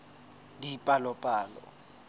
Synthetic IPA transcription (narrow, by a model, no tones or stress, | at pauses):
dipʼalɔpʼaːlɔ̰